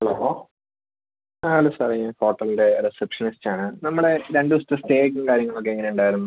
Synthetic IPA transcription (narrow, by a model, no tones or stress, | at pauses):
ɐloːɦo | alːosariɐfo̞ːʈːɐlinde̞ɾesepʂɐnistːaːɳɨnɐmːuɽe̞ɾeɳɖɨust̪ɐst̪eːk̬ːɐmkaːɾjɐŋːɐɭok̬ːeːŋːɐne̞uɳɖaːjiɾunːɐ